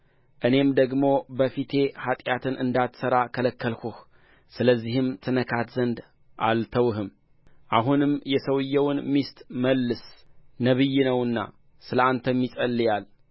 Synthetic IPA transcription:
ʔɨne̞md̪əɡmo̞bəfit̪ʰe̞hat̪ʼjat̪ʰɨnʔɨnd̪at̪səɾakʰələkːəlkuh | sɨləzːihɨmt̪ʰɨnəkʰat̪zənd̪ | ʔalt̪ʰəwɦɨm | ʔaɦunɨmjɛsəwɨjːɛwnmist̪ʼməlːɨsnəβɨjːinəwɨnːa̰ | sɨləant̪ʰəmːisʼəlːɨjal

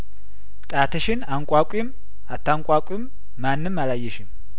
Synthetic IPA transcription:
t̪ʼaːt̪ɛʃɪnaŋkʼaːkʷʼɪm | at̪ːaŋkʷʼaːkʷʼɪmː | anːɨmːɐlajːɛʃɪm

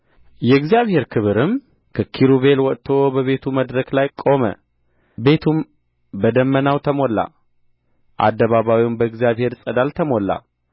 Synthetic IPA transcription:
jɛɡzijaβhe̞ɾkʰɨβɨɾɨm | kʰəkʰiɾuβe̞lwɔt̪ʰo̞bəβe̞t̪ʰuməd̪ɾəklajkʼo̞mə̰ | be̞t̪ʰum | bəd̪əmːənawt̪ʰəmo̞lːa̰ | ʔa̰d̪ːəβaβawiwnbəɪɡzijaβhe̞ɾsʼəd̪alt̪ʰəmo̞lːa̰

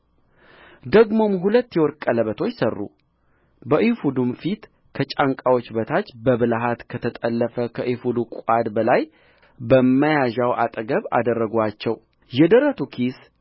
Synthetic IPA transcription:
d̪əɡmo̞mɦulət̪ːjɛwɔɾkʼːələβət̪ʰo̞t͡ʃːsərːṵ | bəʔifud̪umfit̪ | kʰət͡ʃʼaŋkʼawot͡ʃːbət̪ʰat͡ʃːbəβɨlaɦat̪kʰət̪ʰət̪ʼəlːəfəkʰəʔifud̪ukʷʼad̪bəlaj | bəmmːəjaʒawʔa̰t̪ʼəɡəβa̰d̪ərːəɡʷat͡ʃːɛw | jɛd̪əɾət̪ʰukʰis

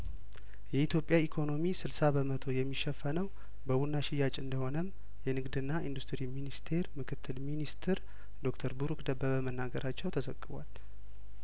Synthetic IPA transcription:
jɛit̪jo̞pʼjaikʰo̞no̞misɨlsabəmət̪ʰo̞jɛmːiʃːɛfːənəw | bəwunːaʃɪjat͡ʃʼɨnd̪əho̞nəm | jɛnɨɡd̪ɨnːaind̪ust̪ɾiminist̪ʰe̞ɾmɨkʰɨt̪ʰːɨlminist̪ʰɨɾ | d̪o̞kt̪ʰəɾbuɾukd̪əbːəβəmənːaɡəɾʔat͡ʃːɛwt̪ʰəzə̰kʼːɨβwa̰l

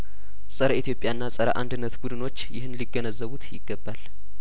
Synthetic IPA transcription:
sʼəɾəit̪jo̞pʼjanːasʼəɾəʔa̰nd̪ɨnːət̪bud̪ɨno̞t͡ʃːjɪhɨnliɡːənəzːəβut̪jɪ̰ɡ̥ːəbːal

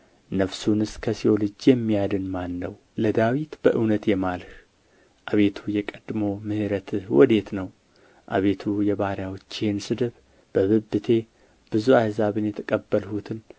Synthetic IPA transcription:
nəfsunɨskʰəsiolɨd͡ʒjɛmːijad̪ɨnmanːəw | ləd̪awit̪bəʔɨwnət̪jɛmalh | ʔaβe̞t̪ʰujɛkʼəd̪mo̞mɨhɨɾət̪ʰɨhwɔ̰d̪e̞t̪nəw | ʔa̰βe̞t̪ʰujɛβaɾjawt͡ʃːhensɨd̪ɨβ | b̥əβɨbːɨt̪ʰe̞ | b̥ɨzuajzaβɨnjɛt̪ʰəkʼəbːəlhut̪ʰɨn

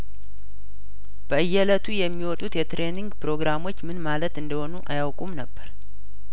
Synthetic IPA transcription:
b̥əʔɨjːɛlət̪ʰujɛmːiwɔt̪ʼut̪jɛt̪ɾe̞niŋɡpɨɾo̞ɡɾamo̞t͡ʃːmɨnmalət̪ɨnd̪əho̞nuʔajawkʼumnəbːəɾ

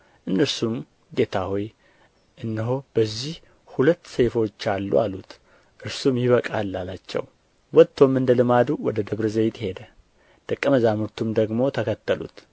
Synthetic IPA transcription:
ʔɨnːəɾsum | ɡe̞t̪ʰahoj | ʔɨnːɨɦob̥əzːih | hulət̪ːse̞fo̞t͡ʃːalːṵalut̪ | ʔɨɾsumjɪβəkʼalːalat͡ʃːɛ̰w | wɔt̪ʰːo̞mɨnd̪əlɨmad̪uwɔd̪əd̪əβɾɨzəjt̪he̞d̪ə | d̪̥əkʼːəməzamɨɾt̪ʰumd̪əɡmo̞t̪ʰəkʰət̪ːəlṵt̪

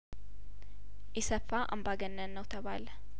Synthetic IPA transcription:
ʔɪsəfaʔə̰mbaɡənːənːəwt̪ʰəβalə

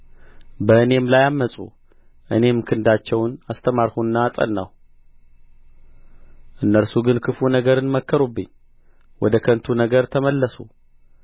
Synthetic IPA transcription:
bəɨne̞mlajamːəsʼṵ | ʔɨ̰ne̞mkʰɨnd̪at͡ʃːɛwnast̪ʰəmaɾhunːaːsʼə̰nːa̰w | ʔɨnːəɾsuɡɨnkʰɨfunəɡəɾɨnməkʰːəɾubːɨ̰ɲː | wɔd̪əkʰənt̪ʰunəɡəɾt̪ʰəməlːəsu

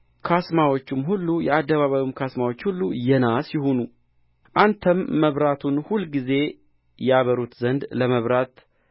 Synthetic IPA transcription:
kʰasmawo̞t͡ʃːumɦulːujɛad̪ːəβaβaβimkʰasmawo̞t͡ʃːhulːujɛnasjɪhonu | ʔant̪ʰəmːəβɾat̪ʰunhulɡize̞ | jɛaβəɾut̪zənd̪ləməβɾat̪

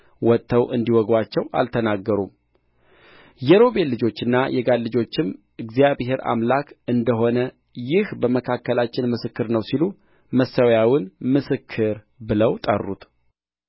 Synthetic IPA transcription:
wɔt̪ʰːəwʔɨnd̪iwɔɡwat͡ʃːɛwʔa̰lt̪ʰənaɡːəɾṵm | jɛɾo̞belːɨd͡ʒo̞t͡ʃːɨnːajɛɡalːɨd͡ʒo̞t͡ʃːɪm | ʔɨɡzijaβhe̞ɾa̰mlakɨnd̪əɦo̞nə | jɪhbəməkʰakːəlat͡ʃːɪnmɨsɨkːɨɾnəwsilu | məsəwjawɪnmɨsɨkʰːɨɾ | bɨləwt̪ʼə̰rːṵt̪

